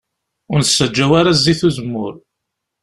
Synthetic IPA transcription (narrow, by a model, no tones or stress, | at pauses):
ʊɾnsːəd͡ʒːæwaɾaziθuzəmːʊɾ